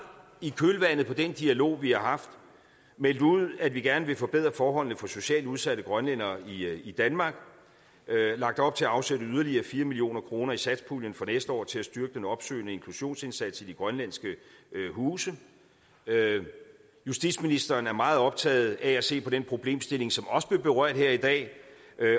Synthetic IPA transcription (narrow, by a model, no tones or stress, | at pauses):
ikʰølʋæn̰ð̩ˠpʰɒ̽d̥end̥iælo̝̰ːʋihɑ̈ɦɑ̈fd̥ | mel̰d̥uð̞̰ˠædʋiɡ̥æɐnəʋe̝fɒ̽b̥e̝ð̞̰ˠʁɐfɒːɦɒ̽l̰n̩əfɒ̽so̝ɕɛ̰ːluð̞ˠsæɾ̥əɡ̥ʁɶnlen̰ɐiid̥ænmɑ̈ːɡ̥ | lɑ̈ɡ̥̚d̥ɒ̽b̥̚t͡sʰe̝æɑ̈ʊseɾəyð̞ˠɐliɐːfiːɐmilio̝̰ːnɐkʰʁo̝ːnɐisæd̥spʰuːljənfɒnesd̥əɒ̰ːt͡sʰe̝æsd̥yɐɡ̥əd̥enɒ̽b̥sø̰ːnəe̝ŋkʰluɕo̝̰ːnse̝nsæd̥sid̥iɡ̥ʁɶnlænsɡ̥əɦuːsə | jusd̥idsminisd̥ɐːnæɐmɑ̈ːð̞̩ˠɒ̽b̥̚t͡sʰɛ̰ːð̩ˠææse̝̰ːpʰɒ̽d̥enpʰʁo̝b̥le̝̰ːmsd̥e̝le̝ŋsɒ̽mɒ̽səb̥le̝ɐb̥e̝ʁɶɐ̰d̥heɐid̥ɛ̰ː